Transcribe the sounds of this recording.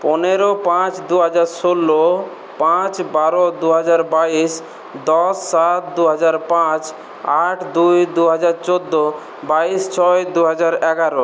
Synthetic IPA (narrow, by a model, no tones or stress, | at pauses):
poneɾopãt͡ɕd̪uɦad͡ʑaɾsolːo | pãt͡ɕbaɾod̪uɦad͡ʑaɾbaiʃ | d̪ɔsːat̪̚d̪uɦad͡ʑaɾpãt͡ɕ | aʈʰd̪ujd̪uɦad͡ʑaɾt͡ɕod̪ːo | baist͡ɕʰɔed̪uɦad͡ʑaɾɛɡaɾo